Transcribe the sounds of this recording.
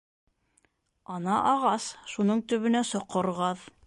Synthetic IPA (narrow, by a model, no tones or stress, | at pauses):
ɑnɑʔɑʁɑsʃunɤɴt̪ɵ̆βɵ̆næsŏqːŏɾʁɑð